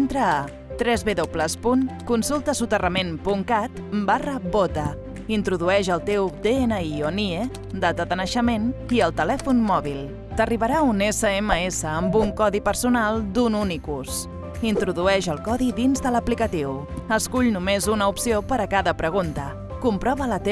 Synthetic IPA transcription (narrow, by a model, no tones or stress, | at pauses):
nt̪ɾəː | t̪ɾɛzβeðopləspuŋkunsulˠt̪əsut̪ərəmenpuŋkat̪barəbot̪ə | int̪ɾuðuɛʒəlˠt̪ewd̪eenəionie | d̪at̪əðənəʃəmeniəlˠt̪əlɛfunmɔβilˠ | t̪əriβəɾaunesəeməesəːmbuŋkɔðipəɾsunalˠd̪ununikus | int̪ɾuðuɛʒəlˠkɔðiðinzðələplikət̪iw | əskuʎnumezunəupsiopəɾəkaðəpɾəɣ̞unt̪ə | kumpɾɔβələt̪